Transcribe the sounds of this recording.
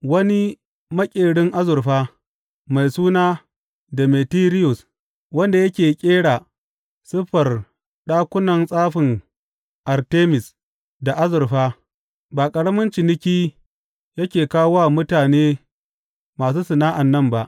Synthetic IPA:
wɐ˦ni˦ | mɐ˦kʲʼeː˨ɽɪ˦ŋʔa˦zʊ˨rɸaː˦ | ma˨jsuː˦naː˦ | da˨meː˨tiː˦ɾɪ˦jʊ˨s | wɐ˦nda˨jɐ˦kʲeː˨kʲʼeː˦ɽaː˨ | sɪ˦ɸɐ˨r | ɗaː˦kʷʊ˦nɐ˨nsʼaː˦ɸɪ˨ŋ | ʔa˨rteː˦mɪ˨s | da˨ʔa˦zʊ˨rɸaː˦ | baː˨kʼɐ˨ɽɐ˦mʊ˦nt͡ʃɪ˨nɪ˦kʲiː˦ | jɐ˦kʲeː˨kaː˦wwa˦˨mʊ˦taː˨neː˦ | maː˨s̬uː˦sɪ˨naː˦ʔa˨nːɐ˦˨mba˦ʔ

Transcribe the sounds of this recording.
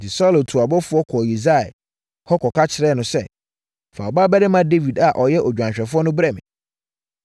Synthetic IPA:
dɪ˨sɔ˦lo˨tʰu˨a˨bɔ˦fʊ˦ɔ˦kʰɔ˨ji˨za˦˨ɛ̰˨ | hɔ˦kʰɔ˨kʰa˦t͡ɕʰɪ˨ɾɛ˦nʊ̃˨sɛ̰˦ | fa̰˨ɔ˨baː˦bɛ˦dɪ˦mã˦de˦vi˨da˨ʔɔ˨jɛ˦ʔɔ˨d͡ʑᶣã˨ɕᶣɛ˨fʊ˦ɔ˦nʊ̃˦bɾɛ˦mɪ̰̃˨

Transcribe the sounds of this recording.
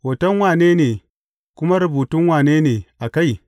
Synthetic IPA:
wɐ˨tɔ˦nwaː˨ne˦neː˨ | kʊ˦ma˦ɾu˨buː˨tʊ˦nwaː˨ne˦neː˨a˨ka˦j

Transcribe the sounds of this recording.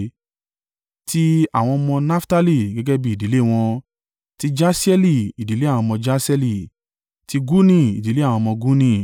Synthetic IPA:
ti˦a˦˨w̃ɔ̃˧mɔ̃˧na˦fta˦li˧ɡɛ˦ɡɛ˦bi˦i˨di˨˦le˦˨w̃ɔ̃˧ | ti˦d͡ʒa˦si˦ɛ˦li˧˨i˨di˨˦le˦a˦˨w̃ɔ̃˧mɔ̃˧d͡ʒa˦sɛ˦li˦˨ | ti˦ɡu˦nĩ˦˨i˨di˨le˦a˦˨w̃ɔ̃˧mɔ̃˧ɡu˦nĩ˦

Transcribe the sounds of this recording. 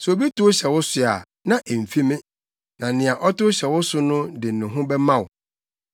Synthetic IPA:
sʊ˨o˨bi˦tʊ˦ɕɛ˨wʊ˦sʊ˨a˨ | nã˦ʔe˨m̩˨fi˦mɪ̃˦ | nã˨nɪ̃˨a˨ʔɔ˦tʊ˦ɕɛ˨wʊ˦sʊ˦nʊ̃˦dɪ˨nʊ̃˨ɦʊ̃˦bɛ˦mã˦˨wʊ˨

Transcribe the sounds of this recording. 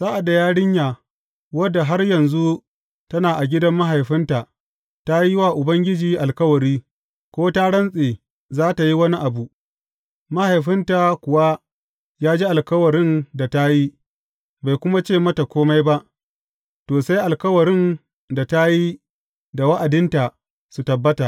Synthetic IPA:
zaː˦ʔa˨da˨jaː˦ɽɪ˦ɲjaː˨ | wɐ˦dːa˨ɦa˦rjɐ˨nzu˦ | tɐ˦naː˨ʔa˨ɡʲɪ˦dɐ˦mːa˦ɦa˨jɸɪ˦nta˨ | ta˦ji˦waː˦˨ʔʊ˨bɐ˦ŋɡʲɪ˦d͡ʒiː˨ʔa˨lkɐ˦wɐ˨ɾiː˦ | kʷoː˦ta˦ɽɐ˦nsʼeː˨ | zaː˦ta˨ji˦wɐ˦ni˦ʔa˨bu˨ | ma˦ha˨jɸɪ˦nta˨kʷʊ˨wa˦ | jaː˦d͡ʒi˦ʔa˨lkɐ˦wɐ˨ɾɪ˦nda˨ta˦ji˦ | ba˨jkʷʊ˦ma˦t͡ʃeː˦˨mɐ˦ta˨kʷoː˦ma˦jba˦ʔ | toː˨sa˦jʔa˨lkɐ˦wɐ˨ɾɪ˦n | da˨ta˦ji˦ | da˨wɐ˦ʔa˨dɪ˦nta˨ | su˨tɐ˨bːɐ˦ta˨

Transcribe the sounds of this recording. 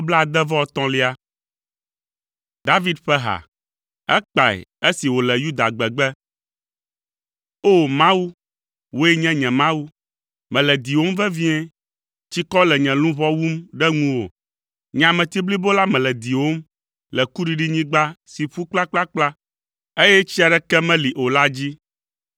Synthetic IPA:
o˦bla˦a˨d̪ɛ˦vɔ˦˨t̪ɔ̃˦li˦a˦ | d̪a˦vi˦d̪ɸɛ˦ɦa̰˨ | ɛ˦k͡pa˨ɛ̰˨e˦si˨wo˨lɛ˨ju˦d̪a˨ɡ͡bɛ˨ɡ͡bɛ˦ | o˦mã˦wu˦ | wo˦ɛ˦ɲɛ̃˦ɲɛ̃˨mã˦wu˦ | mɛ̃˨lɛ˨d̪i˨wo˦m˦vɛ˦vi˦ɛ̃˦ | t͡ɕi˦kɔ˦lɛ˨ɲɛ̃˨lũ˦βɔ˦wu˦mɖɛ˦ŋũ˦wo̰˨ | ɲ˨ã˨mɛ̃˨t̪i˦bli˦bo˦la˦mɛ̃˨lɛ˨d̪i˨wo˦m | lɛ˨ku˦ɖi˦ɖi˦ɲĩ˦ɡ͡ba˦si˨ɸu˦k͡pla˦k͡pla˦k͡pla˦ | e˦jɛ˦t͡ɕi˦a˨ɖɛ˦kɛ˦mɛ̃˦li˨ʔo˨la˦d͡ʑi˦

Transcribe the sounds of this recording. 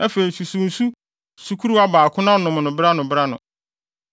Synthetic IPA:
ɛ˦fe˨i˨su˨su˨n̩˨su˦ | su˨kʰu˦ɾu˦a˦baː˨kʰʊ̃˦nã˦nʊ̃˨m˨nʊ̃˨bɪ˦ɾa˦nʊ̃˨bɪ˦ɾa˦nʊ̰̃˨

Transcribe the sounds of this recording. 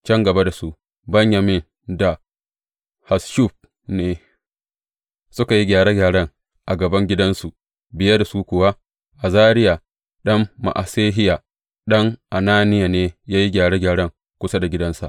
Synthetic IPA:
t͡ʃɐ˦ŋɡɐ˨ba˦da˨su˦ | bɐ˦ɲja˨mɪ˦n | da˨ | ha˨sʃu˦ɸ̚ | neː˨ | sʊ˦ka˨ji˦ɡʲaː˨ɾe˦ɡʲaː˨ɽɐ˦ŋ | ʔa˨ɡɐ˨bɐ˦ŋɡʲɪ˦dɐ˦nsu˨ | bɪ˨jɐ˦da˨su˦kʷʊ˨wa˦ | ʔa˨zaː˦ɾɪ˦ja˨ | ɗɐ˦mːa̰˨ʔa̰˨seː˦ɦɪ˦ja˨ | ɗɐ˦ŋʔa˨naː˦nɪ˦ja˨neː˦jaː˦ji˦ɡʲaː˨ɽeː˦ɡʲaː˨ɽɐ˦ŋ | kʷʊ˦sa˦da˨ɡʲɪ˦dɐ˦nsa̰˨ʔ

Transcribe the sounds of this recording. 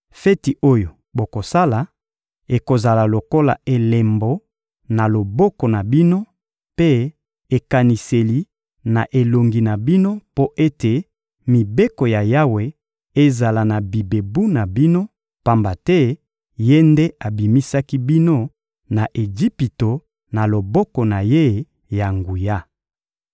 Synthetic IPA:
fɛ˦ti˨ʔo˦jo˨ | bo˨ko˨sa˦la˨ | e˨ko˨za˨la˨lo˨ko˦la̰˨e˨le˨mbo˨ | na˨lo˨bɔ˦ko˨na˨bi˦no˦ | pe˦ | e˨ka˨ni˨se˨li˨ | na˨ʔe˨lo˨ŋɡi˨na˨bi˦no˦po˦ʔe˦te˨ | mi˨be˦ko˨ja˨ja˦we˨ | e˦za˨la˨na˨bi˨be˨bu˦na˨bi˦no˦ | pa˦mba˨tɛ˦ | je˦nde˦ʔa˨bi˨mi˦sa˦ki˦bi˦no˦ | na˨ʔe˨d͡ʒi˦pi˨to˨ | na˨lo˨bɔ˦kɔ˨na˨je˦ | ja˨ŋɡu˨ja˦

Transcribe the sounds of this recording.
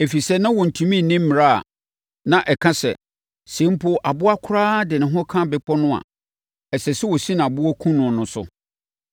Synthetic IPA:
e˨fi˨sɛ˦nã˦wɔ˨n̩˨tʰũ˨mĩ˦˨nĩ˦m̩˦m̃˨ɾa˦˨a̰˨ | nã˨ʔɛ˨kʰã˦sɛ̰˨ | sẽ˨˦m̩˦pʰʊ˦ʔa˨bʊ˦a˦kʷʰʊ˦ɾaː˦dɪ˨nɪ̃˨ɦɔ̃˦kʰã˦bɪ˨˦k͡pʰɔ˦nʊ̃˦a̰˨ | ɛ˨sɛ˨sɪ˦wɔ˨sĩ˦ñ˨a˨bʊ˦ɔ˦kʰũ˦nʊ̃˨nʊ̃˦sʊ̰˨

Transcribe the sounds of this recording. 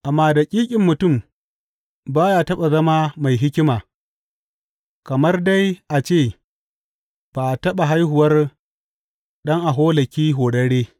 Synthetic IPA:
ʔa˨mːaː˨da˨kʲʼiː˦kʲʼɪ˨mːʊ˨tʊ˦˨m | baː˦jaː˦tɐ˦ɓa˨zɐ˦maː˦ma˨jɦɪ˦kʲɪ˦maː˨ | kɐ˨mɐ˦rda˦jʔa˨t͡ʃeː˦˨ | b̥a˨ʔa˨tɐ˦ɓa˨ɦa˦jɦʊ˨wɐ˦r | ɗɐ˦ŋʔa˨ɦoː˦lɐ˨kʲiː˦ɦoː˨ɽɐ˦ɽeː˦

